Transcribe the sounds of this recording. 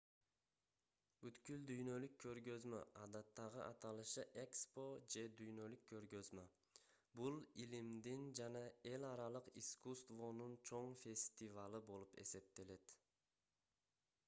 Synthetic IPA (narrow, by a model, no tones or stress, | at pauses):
byt̪kyld̪yjnø̞lykʰːø̞ɾɡø̞zmø̰ʔɑd̪ɑt̪ːɑʁɯʔɑt̪ɑlˠɯʃɯʔe̞kspo̞d͡ʒe̞d̪yjnø̞lykʰːø̞ɾɡø̞zmø | bulˠilimd̪ind͡ʒɑnɑe̞lɑɾɑlˠɯqiskust̪vo̞nunt͡ʃʰo̞ɴfʲe̞sʲt̪ivalˠɯbolˠupe̞̰se̞p̚t̪e̞le̞t̪